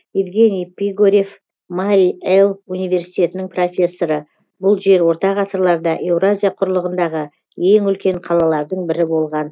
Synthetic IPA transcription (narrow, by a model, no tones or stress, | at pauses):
ivɡʲe̞nijpʲiɡoɾʲe̞f | maɾʲielˠunijvʲe̞ɾsijt̪ʲe̞t̪ɪnɪŋpro̞fʲe̞sːo̞ɾə | bʊlˠʒe̞ɾwo̞ɾt̪ɑʁɑsəɾlˠɑɾd̪ɑʔe̞wrazʲijaqʰʊɾlˠəʁənd̪ɑʁə | e̞ŋʏlkʲe̞ɴqʰɑlˠɑlˠɑɾd̪əɴbɪɾɪbo̞lˠʁɑn